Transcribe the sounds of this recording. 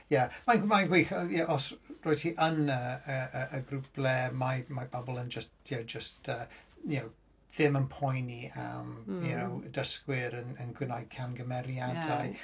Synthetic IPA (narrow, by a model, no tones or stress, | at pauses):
jamamanɡwiːxɔjaʔɔsroːjtʰiʔənəəəəɡrub̥lɛmamabɔbɔlˠənd͡ʒəst̚d̥owd͡ʒəstʰəːjow | ðɪmənpʰɔjnia̰mowdəskwɪɾənənɡwɪnajd̥̚kʰamɡəmɛɾjadaj